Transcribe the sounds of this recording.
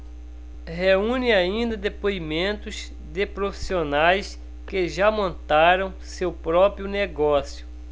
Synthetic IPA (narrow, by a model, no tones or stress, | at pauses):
ɦeũnɪaĩnd̪ɐd̪epoimẽnt̪ʊz | d̪ɪpɾofi̥sionajs | kɪʒamõnt̪aɾɐ̃w̃sewpɾɔpɾjʊneɡɔsjʊ